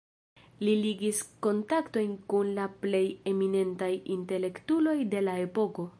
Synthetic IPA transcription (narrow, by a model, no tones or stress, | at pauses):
liliɡisko̞ntakto̞jnkunlaple̞je̞mine̞ntajinte̞le̞ktulo̞jde̞lae̞po̞ko̞